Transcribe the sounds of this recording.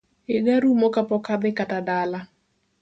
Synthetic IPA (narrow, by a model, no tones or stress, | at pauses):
eɡaɾumɔkapɔkad̪ɪkatadala